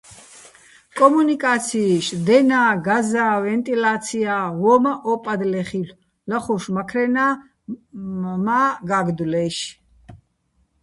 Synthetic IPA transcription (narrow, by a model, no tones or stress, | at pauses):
kʼɔmunikʼat̪sʰiːʃd̪ɛnaːɡazaːvɛnt̪ʼilat̪sʰiavɔmaʔɔpʼad̪lɛχil | laχuʃmakʰɾɛna | maɡaɡd̪ulɛʃ